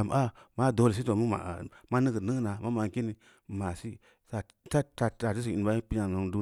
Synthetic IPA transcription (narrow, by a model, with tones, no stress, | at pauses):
a˨m˨a˦ma˦˨do˨˦ls̬i˦to˨mi˦ma̰˨ma˦nɨ˦kə˨nə˦na˨ma˦ma˨ŋ˨ki˦ni˨ | ma˨si˦ | sa˨ | ta˦ta˨ta˨ti˦si˨i˨n˨ba˦i˦pi˦ɲa˨u˨mdu˦